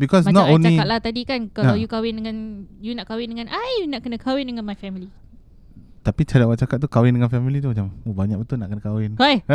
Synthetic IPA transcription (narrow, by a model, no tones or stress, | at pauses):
bikɔs̬manɔatonlaikat̪̚lat̪adikankaajukawɪndəŋãnjunaʔkawɪndəŋãnʔajunaʔkənə̃kʰawɪndəŋanmajfɛmili | t̪apit͡ʃaɾiaʔwaʔ̚t͡ʃakat̪̚t̪ukawɪndəŋanfɛmilit̪ud͡ʒamobaɲak̚bət̪ʊlnaʔkənəkawɪnwaj